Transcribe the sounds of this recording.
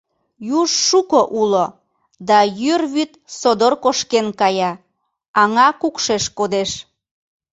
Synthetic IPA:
juʒːukoʔulo | d̪ɑjyrβyt̪sod̪orkoʃkenkɑjɑ | ɑŋɑkukʃeʃkod̪eʃ

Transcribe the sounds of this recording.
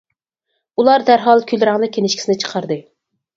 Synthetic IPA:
ulˠɑɾd̪æɾɦɑlˠkʲʰylɾæŋnɨkʲʰenɪʃkʲi̥sɪnɪt͡ʃʰə̥qʰɑɾd̪ɨ

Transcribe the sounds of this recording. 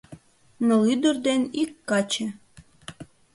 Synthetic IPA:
nɤ̆lyd̪ə̆rd̪enikːɑt͡ɕĕ

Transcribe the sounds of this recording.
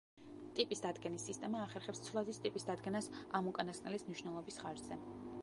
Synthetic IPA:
t̪ʼipʼisd̪ad̪ɡɛnisːist̪ʼɛmaːχɛɾχɛpst̪sʰlˠazist̪ʼipʼisd̪ad̪ɡɛnasamukʼanask̪ʼnɛlismniʃnɛlˠɔbisχaɾd͡ʒz̥ɛ

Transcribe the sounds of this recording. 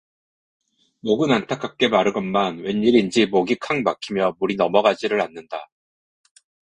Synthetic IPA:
moɡɯnantʰak͈ʰak̚k͈e̞maɾɯɡʌnmanwe̞nːiɾind͡ʑimoɡikʰaŋmakʰimjʌmuɾinʌmʌɡad͡ʑiɾɯɾanːɯnda

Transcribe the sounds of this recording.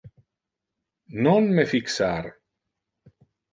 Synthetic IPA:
nonmefiksaɾ

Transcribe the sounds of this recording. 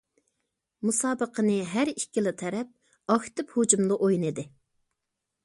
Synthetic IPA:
musɑːbəqʰənɨɦæɾikʲilˠɪt̪ʰɛɾɛp̚ | ɑxt̪ɪphud͡ʒumlˠəʔojnɨd̪ɪ

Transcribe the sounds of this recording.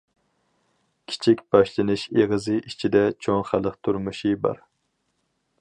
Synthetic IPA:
kʲʰi̥t͡ʃʰikʲb̥ɑʃlˠɨnɨʃeʁəzɨʔit͡ʃʰid̪ɛt͡ʃʰoŋχælˠəqt̪ʰuɾmuʃibɑ̰ɾ

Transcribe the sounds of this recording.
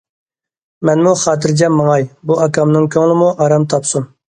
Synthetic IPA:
mɛnmuχɑːt̪ɨɾd͡ʒʲɛmːəŋɑjbuɑkʰɑmnɨŋkʲʰøŋɪlˠɪmuʔɑɾɑmt̪ʰɑpsum

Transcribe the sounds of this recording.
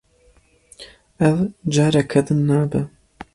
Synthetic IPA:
ɛvd͡ʒaːɾɐkʰɐd̪ɨnːaːbɛ

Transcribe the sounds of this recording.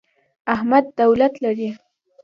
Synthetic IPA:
ahmad̪ːawlat̪laɾi

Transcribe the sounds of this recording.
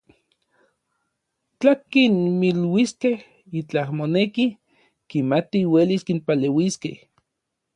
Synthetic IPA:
t͡ɬakinmilwiskeh | it͡ɬahmoneki | kimat̪iweliskinpalewiskḛh

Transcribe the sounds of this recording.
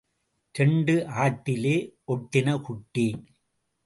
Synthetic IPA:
tɛɳɖɯʔaːʈːɪleːɔʈːɪnɐkʊʈːi

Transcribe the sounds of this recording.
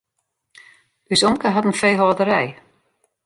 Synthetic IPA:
ysɔmkəɦɔtən̩fejɦɔːdəɾɛj

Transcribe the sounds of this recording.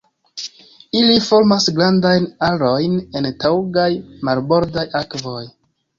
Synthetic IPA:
ilifo̞ɾmasɡɾandajnaɾo̞jne̞ntawɡajmaɾbo̞ɾdajakvo̞j

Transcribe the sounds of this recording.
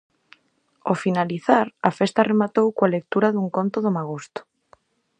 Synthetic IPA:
ofinaliθaɾafest̪aremat̪owkoalek̚t̪uɾaðuŋkont̪oðomaɣost̪o̥

